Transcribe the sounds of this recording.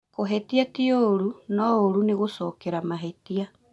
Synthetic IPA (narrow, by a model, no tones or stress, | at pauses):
koɦɛtiatioɾunɔoɾuneɣosɔːkeɾamaɦetia